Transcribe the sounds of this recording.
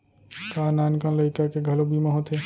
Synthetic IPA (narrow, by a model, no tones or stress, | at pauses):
kanankə̃nləikakeɡʱɐlobimaɦot̪e